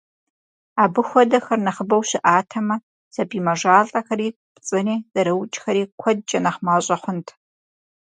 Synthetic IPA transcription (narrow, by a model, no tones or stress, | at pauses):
aːbɨxʷɔdɐxɐrnɐχəbɐwɕɪʔaːtʰɐmɐ | sɐpiːmɐʒaːɮʼɐxɐɾiː | pt͡sʼɨneːz̥ɐɾɐwt͡ʃʼxɐɾiːkʷʰɔd̚t͡ʃʼɐnɐχmaːɕʼɐχʷʊntʰ